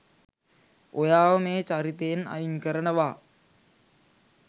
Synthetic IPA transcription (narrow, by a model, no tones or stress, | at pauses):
ojaːʋəmeːt͡ʃaɾit̪ejena̰jiŋkəɾənəʋaː